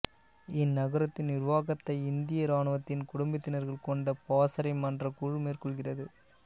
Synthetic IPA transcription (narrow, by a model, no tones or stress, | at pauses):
ɪnːɐɣɐɾɐt̪ːɪnnɪɾʋaːɣɐt̪ːɐɪɪnd̪ɪjɐɾaːɳɯʋɐt̪ːɪnkʊɽʊmbɪt̪ːɪnɐɾɣɐɭkɔɳɖɐpaːsɐɾɐɪmɐndrɐkuːɻmeːrkɔɭɣɪrɐðɯ